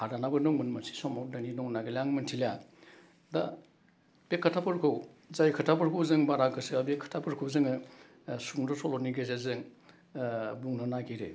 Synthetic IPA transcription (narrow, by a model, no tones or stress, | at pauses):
haɾanabɯnɔŋmɯnmasi̥sɔmawdaninɔŋnaɡelaŋmɯntʰila | da | bekʰːatʰapʰɯɾkʰɯwzajkʰatʰapɯɾkʰuwzɯŋbaɾakʰɯsɯabekʰːḁtʰapʰɯɾkʰɯwzɯŋɯ | suŋdɔsɔlɔniɡezazɯŋ | buŋnanaɡiɾe